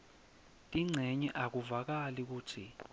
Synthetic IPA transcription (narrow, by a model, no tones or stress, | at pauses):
tʼiŋ͡ǀʱɛɲɛʔak̬uvak̬alik̬uːtʰi